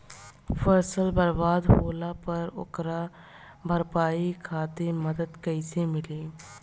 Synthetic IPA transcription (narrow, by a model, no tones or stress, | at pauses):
fʰəɾsəlbəɾbaːd̪ɦoːlapɐɾʊ̰kɾa | bʱəɾpaːikʰaːt̪eməd̪əd̪kəɪsemɪleː